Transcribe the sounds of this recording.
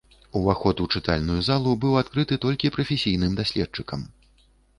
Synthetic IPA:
uvaxɔt̪ut͡ʂɨt̪a̰lʲnujuzalˠubɨwat̪kɾɨt̪ɨt̪ɔlʲkʲipɾɐfʲesʲijnɨmd̪asʲlʲɛt̚t͡ʂɨkɐm

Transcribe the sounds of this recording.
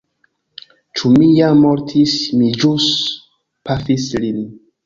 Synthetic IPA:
t͡ʃumijamːoɾtʰismid͡ʒus | pafislini

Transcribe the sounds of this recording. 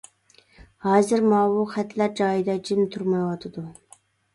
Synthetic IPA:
hɑːzɨɾmɑːwuχæt̪ʰlæɾd͡ʒɑːjid̪ɑd͡ʒɪmt̪ʰuɾmɑjwɑt̪ʰɨd̪u

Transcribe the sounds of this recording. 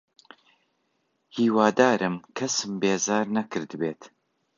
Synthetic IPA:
hiːwaːd̪aːɾʔɨmkʰɐsɨmbeːzaːɾnɐkɨɾd̪ɨbeːt̪

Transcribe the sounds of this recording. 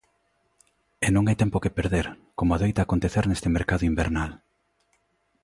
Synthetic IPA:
enõŋajt̪ɛmpokepeɾðeɾkomoaðejt̪aːkont̪eθeɾnest̪ɪmeɾkaðʊimbeɾnal

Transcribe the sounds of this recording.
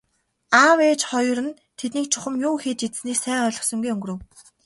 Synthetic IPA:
aweːt͡ɕχɔj̆rə̆n | t̪ʰet̪niːk̚t͡ɕʰʊχə̆mjuːxeːt͡ɕet͡ssniːksæːŋɔːɮɞ̆χsɞ̆ŋɡujɵŋɡ̆ɾɵ̆w

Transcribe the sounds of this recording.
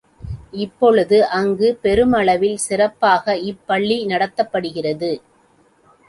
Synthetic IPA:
ɪpːɔɭɯðɯʔɐŋɡɯpɛɾɯmɐɭɐʋɪlsɪrɐpːaːɣɐɪpːɐɭːinɐɽɐt̪ːɐpːɐɽɯɣɪrɐðɯ

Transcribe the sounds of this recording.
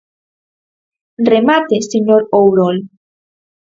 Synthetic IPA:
remat̪eseɲoɾowɾol

